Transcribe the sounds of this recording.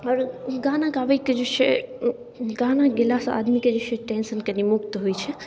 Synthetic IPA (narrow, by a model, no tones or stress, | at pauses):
əɾɡanãɡaːʋəiked͡ʒot͡ʃʰe | ɡanaɡɪlaːsa̰ːd̪miked͡ʒot͡ʃʰeʈensənkɐnimʊkt̪ɦojt͡ʃʰe